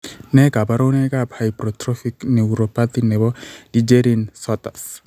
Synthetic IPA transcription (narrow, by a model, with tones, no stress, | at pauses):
nɛ˦ka˨ba˦ɾo˦nɛ˦ka˦bha˨jpɾɔ˨tɾɔ˦fikne˨u˨ɾo˨pat̪i˦nɛ˨bɔ˦d̥i˨d͡ʒe˦ɾinsɔt̪a˨s